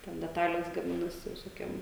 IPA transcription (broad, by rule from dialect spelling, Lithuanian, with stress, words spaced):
tʲɛn dʲɛˈtɑːlʲeːs ɡɐˈmʲɪnɐsʲɪ ʋʲɪsoːˈkʲiɛm